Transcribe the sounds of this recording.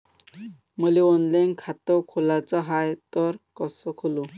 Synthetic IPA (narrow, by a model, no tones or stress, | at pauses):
məleɔnlankʰat̪ɔkʰolat͡sɔɦajt̪ɔɾkɔsɔkʰolu